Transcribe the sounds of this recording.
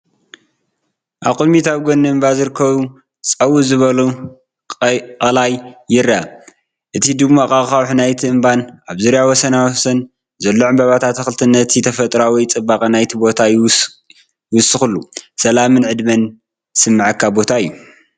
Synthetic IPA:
ʔaβkʼɨd̪mit̪ʰaβɡonːɨɨmbazɨɾɨkʰːɐβu | t͡sʼɐwuzɨβɐlu | qʼɐlajːɪɾa | ʔɨt̪ʰid̪ɨmːakʼaxawħnajt̪ʰiɨmbanʔaβzuɾjawɔsɐnawsɐn | zɐlːoʕɨmbaβat̪ʰat̪ʰːɐxɨlt̪ʰɨnːɐt̪ʰit̪ʰɐfɐt̪ʼɾawijt͡sʼɨbakʼɐnajt̪ʰibo̞t̪ʰaj | wʊsɨxɨlːusɐlamɨnʕɨd̪mɐn | sɨmːaʕakʰːabo̞t̪ʰaɨjːu

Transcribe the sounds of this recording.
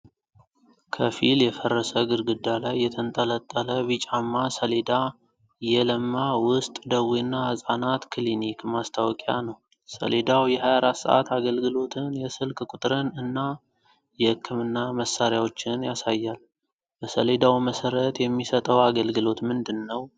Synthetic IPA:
kʰəfiljɛfərːəsəɡɨɾɡɨd̪ːalajːɛt̪ʰənt̪ʼələt̪ʼːələβɨt͡ʃʼamːasəle̞d̪a | jɛləmːawʊst̪ʼd̪əwinːahəsʼanat̪kʰlinikmast̪ʰawkʼanəw | sə̰le̞d̪awjɛhajaɾat̪sə̰ʔa̰t̪ʰaɡəlɡɨlo̞t̪ʰɨnjɛsɨlkʼkʷʼʊt̪ʼɾɨnɨnːa | jɛhɨkʰːɨmɨnːaməsːaɾjawo̞t͡ʃːɪnjasajːal | bəsəle̞d̪awməsəɾət̪jɛmːisət̪ʼəwaɡəlɡɨlo̞t̪mɨnd̪ɨnːəw

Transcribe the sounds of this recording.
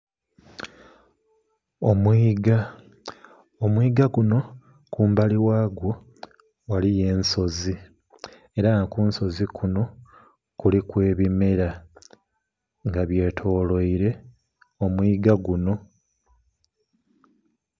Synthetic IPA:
omwiːɡa | omwiːɡaɡuno̞ | kuːmbaliwaːɡwo̞ | walije̞ːnso̞zi | e̞ɾanakuːnso̞zikʰuno̞ | kulikwe̞ːβime̞ɾa | ŋɡaβje̞ːtʰo̞ːlo̞iɾe̞ | omwiːɡaɡuno̞

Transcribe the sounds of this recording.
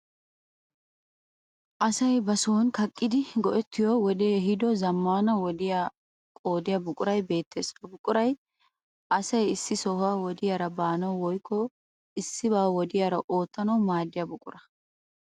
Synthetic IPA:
ʔɐsɐjbɐsoːnkɐkʼːɪd̪ɪɡɔʔɛt̪ʰːɪjɔwɔd̪eːɦɪd̪ɔzɐmːaːnɐwɔd̪ɪja | kʼo̞ːd̪ɪjabʊkʼʊɾɐjbe̞ːt̪ʰːḛːsfɐbʊkʼʊɾɐj | ʔɐsɐjɪsːɪsɔhʊaːwɔd̪ɪjaːɾɐbaːnɐwwɔjkʰːɔ | ɪsːɪbaːwɔd̪ɪjaːɾɐʔo̞ːt̪ːɐnɐwmaːd̪ːɪjɐbʊkʼʊ̰ɾɐ

